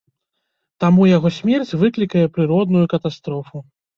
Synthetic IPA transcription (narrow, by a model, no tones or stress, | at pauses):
t̪amujaɣɔsʲmʲɛrt͡sʲvɨklʲikɐjɛpɾɨɾɔd̪̚nujukɐt̪ast̪ɾɔfu